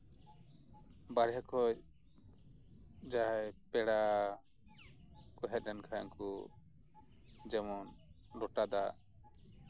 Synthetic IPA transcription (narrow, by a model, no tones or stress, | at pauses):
baɾɦɛkʰɔc̚ | d͡ʒajpɛɽa | kɔɦɛt̪̚ˀːɛnkʰaj̰ŋku | d͡ʒɛmɔn | lɔʈad̪a